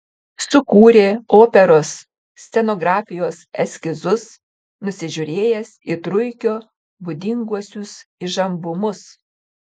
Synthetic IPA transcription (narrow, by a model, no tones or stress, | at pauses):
sʊkuːɾʲeːoːpʲɛɾoːsːʲ | t̪ʲɛnoːɡɾɑːfʲɪjoːsɛsʲkʲɪzʊs | nʊsʲɪʒʲʊɾʲeːjɛsɪt̪ɾʊɪkʲoː | bʊd̪ʲɪŋɡuɔsʲʊsɪʒɐmbʊmʊs